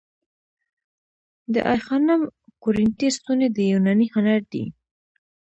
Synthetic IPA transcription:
d̪ə̰ʔajxɑnamkʊɾɪnt̪ist̪uned̪əjunanihanaɾd̪ḭ

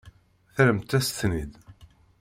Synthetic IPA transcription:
θəɾəmt̪æst̪nid̪

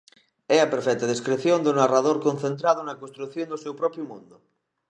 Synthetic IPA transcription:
ɛapeɾfɛt̪að̞iskɾeθjond̪unaraðoɾkonθẽnt̪ɾaðonakonst̪ɾuθjond̪osewpɾɔpɾjʊmũnd̪ʊ

